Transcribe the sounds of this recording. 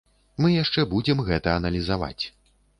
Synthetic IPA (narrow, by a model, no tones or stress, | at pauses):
mɨjaʂt͡ʂɛbud͡zʲɛmɣɛt̪ɐːnɐlʲizava̰t͡sʲ